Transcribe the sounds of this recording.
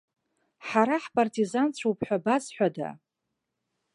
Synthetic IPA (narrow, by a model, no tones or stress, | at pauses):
ħaɾaħpʼartʰʼizant͡ɕʷʰowpʰʼħᶣʷabazħʷᶣada̰